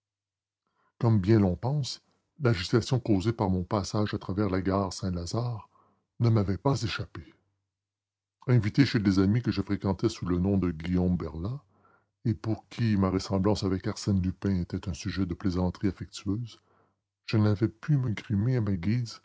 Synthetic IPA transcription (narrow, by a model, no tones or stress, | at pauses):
kɔmbjɛ̃lɔ̃pɑ̃s | laʒyt̪asjɔ̃koːzepaʁmɔ̃pasaʒat̪ʁavɛːʁlaɡaːʁsɛ̃lazaːʁ | nəmavɛpazeʃape | ɛ̃vit̪eʃelezamikəʒəfʁekɑ̃t̪ɛsulənɔ̃d̪əɡʲijɔ̃mbɛʁla | epuʁkʲʰimaʁəsɑ̃blɑ̃savɛkaʁsɛnlypɛ̃et̪ɛt̪ɛ̃syʒɛd̪əplezɑ̃t̪ʁiafɛk̚t̪yøːz | ʒ̥ənavɛpyməɡʁimeamaɡʲiːz